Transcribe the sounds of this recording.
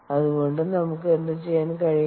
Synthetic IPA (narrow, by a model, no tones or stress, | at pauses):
ɐðuɣo̞ɳɖɨnɐmukːɨend̪ɐt͡ɕejːaːnkɐɻij